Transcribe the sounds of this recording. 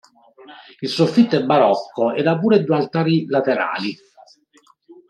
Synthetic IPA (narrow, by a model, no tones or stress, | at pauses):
ilsofːit̪ːɛbːaɾɔkːoɛd̪apuːɾed̪ːualt̪aːɾilat̪eɾa̰ːli